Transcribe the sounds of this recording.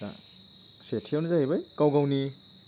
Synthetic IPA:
a̰ | setʰijawnazahejbajkawɡawni

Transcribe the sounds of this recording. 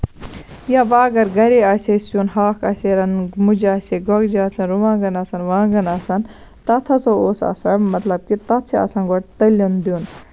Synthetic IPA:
jabaːɡɐɾɡɐɾiaːsʲesunɦaːkʰɐ̰seɾɐnmud͡ʒaːsʲeɡɔɡd͡ʒaːt͡sʰɐnɾuʋãːɡɐnɐsɐnʋãːɡɐnasɐn | t̪ɐt̪ʰɐsɐoːsɐ̰ːsɐmɐt̪lɐb̚kit̪ɐt̪t͡ʃʰiɐ̰sɐnɡɔʈt̪ɐlond̪jun

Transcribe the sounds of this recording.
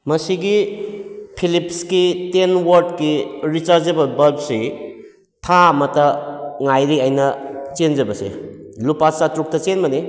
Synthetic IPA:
mɐsiɡi | pʰilipskitenwɐɾdkiɾit͡ʃaɾzd͡ʒɐbɐbɐɾb̚si | tʰamɐtɐŋajɾiajnɐt͡ʃend͡ʒɐbɐsḛlupasatɾuk̚tɐt͡ʃenmɐni

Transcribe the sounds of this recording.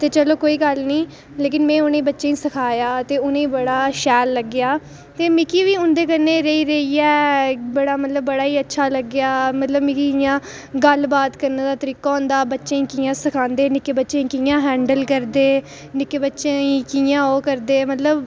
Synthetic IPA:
t̪eːt͡ʃəloːkoːiːɡəlnĩː | leːkɪnmɛ̃ːʊnẽːbətːʃẽːĩːsəkʰaːjaːt̪eːʊnẽːbəɽaːʃɛːlːəɡɪjaː | t̪eːmɪkiːʋiːʊ̃nd̪eːkənːeːɾəiːɾəiːɛːbəɽaːmət̪ləbːəɽaːiːətːʃʰaːləɡjaːmət̪ləbmɪ̃kijãː | ɡəlbaːt̪kəɾneːd̪aːt̪əɾiːkaːõːnd̪aːbətːʃẽːĩːkiːjãːsəkʰãːnd̪eːnɪkeːbətːʃẽːĩːkiːjãːɦɛ̃ːɳɖəlkəɾd̪eː | nɪkeːbətːʃeːĩːkijãːoːkəɾd̪eːmət̪ləb

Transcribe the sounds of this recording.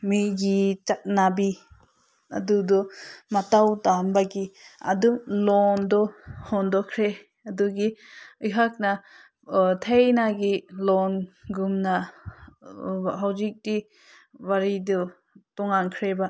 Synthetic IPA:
miɡit͡ʃat̚nabi | a̰dudɔmatawtambaɡia̰dumlɔndɔhɔndɔkʰɾe | aduɡiɯjɦak̚na | tʰejnaɡilɔnɡumna | ɦawzik̚di | waɾidɔ | tɔŋankʰɾeba

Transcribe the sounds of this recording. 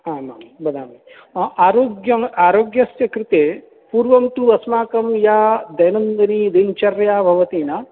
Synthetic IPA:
aːmaːmbɐd̪ʱaːmi | ʔaːɾoːɡjɐmaːɾoːɡjɐsjɐkɾɪt̪eː | puːɾʋɐmt̪uɐsmaːkɐmjaːd̪ɐjnɐnd̪ɐnid̪int͡ʃɐɾjaːbʱɐʋɐt̪iːna

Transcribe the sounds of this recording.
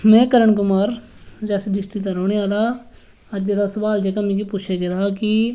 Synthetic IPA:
mɛ̃ːkəɾəɳkʊmaːɾd͡ʒɛːsiɖɪsʈiːt̪ãːɾoːɽeːaːlaː | əd͡ʒeːd̪aːsʊbaːld͡ʒeːkamĩːkiːpuːt͡ʃʰeːɡed̪aːkɪ

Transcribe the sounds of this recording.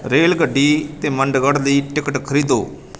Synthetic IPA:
ɾeːlɡəɖʱːiːt̪eməɳɖɡəɽliːʈɪkəʈkʰəɾiːd̪o̰ː

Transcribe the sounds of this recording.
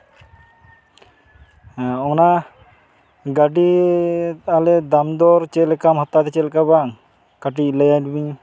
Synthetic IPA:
ɔŋna | ɡaɖi | aled̪amd̪ɔɾt͡ʃelɛkamɦɔt̪ːat̪ɛt͡ʃelkabaŋ | kaʈilajajɖbiɲ

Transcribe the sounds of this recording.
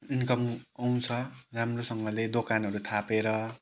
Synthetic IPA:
inkʌmaw̃t͡sʰʌramrosʌŋɡʌled̪okanɦʌɾut̪ʰapeɾʌ

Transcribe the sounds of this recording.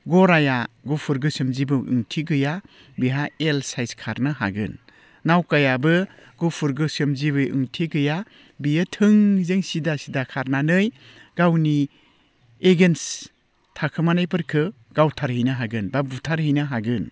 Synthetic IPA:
ɡɔɾajaɡupʰuɾɡɯsɯmzibɯʔɯ̰ŋtʰiɡɯja | biɦaelsajskʰa̰ɾnɯɦa̰ɡɯ̰n | nawkajabɯ | ɡupʰuɾɡɯsɯmziβɯjɯ̰ŋtʰiɡɯja | bijɯtʰɯŋzɯŋsidasidakʰaɾnanɯj | ɡawni | eɡens | tʰakʰɯmanajpɯɾkʰɯ | ɡ̥awtʰaɾhijnɯɦaɡɯnbabutʰaɾhijnɯɦaɡɯn

